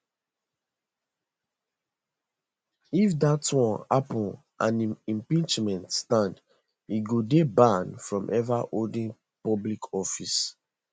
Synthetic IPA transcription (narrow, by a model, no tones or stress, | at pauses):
ifdatwɔ̃napɔ̃n | ʔã̰nĩmpĩnt͡ʃmɛ̃ntstãnd | iɡodebãnfɹɔ̃mʔɛvaʔoldĩŋ | pɔblikʰɔfis